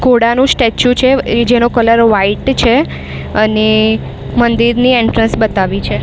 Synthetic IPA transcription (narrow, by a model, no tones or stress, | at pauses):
ɡoɽanũsʈet͡ʃjũt͡ʃʰed͡ʒenokələɾʋaiʈt͡ʃʰe | əne | mənd̪iɾnieɳʈɾə̃nsbət̪aʋit͡ʃʰe